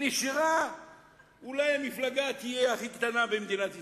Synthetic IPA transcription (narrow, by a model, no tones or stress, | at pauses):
niʃiʁa | ulajamiflaɡat̪ijeaχikt̪anabemd̪inat̪i